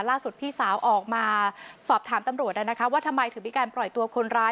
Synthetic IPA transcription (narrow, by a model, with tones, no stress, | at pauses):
laː˥˩su˨˩t̪̚pʰiː˥˩saː˩˦wʔɔː˨˩k̚maː˧sɔː˨˩p̚t̪ʰaː˩˦mt̪a˧mɾu˨˩ət̪̚laː˧˩na˦˥kʰa˦˥waː˥˩t̪ʰa˧mːa˧jt̪ʰɯː˨˩˦miː˧kaː˧nplɔ˨˩jt̪u˧ɐkʰo˧nɾaː˦˥